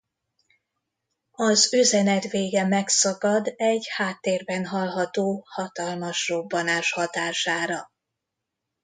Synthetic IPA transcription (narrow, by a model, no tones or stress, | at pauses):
ɒzøzɛnɛt̪veːɡɛmɛksɒkɒd̪ɛɟhaːt̪ːeːrbɛnɦɒlɦɒt̪oːhɒt̪ɒlmɒʃrobːɒnaːʃhɒt̪aːʃaːɾɒ